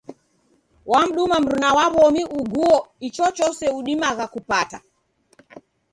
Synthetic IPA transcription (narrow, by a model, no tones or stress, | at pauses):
wam̩ɗumam̩ɾunawaβɔmiʔuɡuɔit͡ʃɔt͡ʃɔsɛuɗimaɣakupata